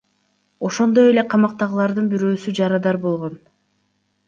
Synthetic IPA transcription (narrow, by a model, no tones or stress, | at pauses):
o̞ʃo̞nd̪o̞je̞le̞qʰɑmɑq̚t̪ɑʁɯlˠɑɾd̪ɯnbiɾø̞ːsyd͡ʒɑɾɑd̪ɑɾbo̞lˠʁo̞n